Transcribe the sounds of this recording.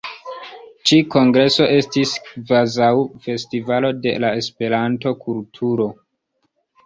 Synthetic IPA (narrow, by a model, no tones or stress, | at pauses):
t͡ʃiko̞ŋɡɾe̞so̞ʔe̞stiskvazawfe̞stivalo̞de̞̰lae̞spe̞ɾanto̞kʰultʰuɾo̞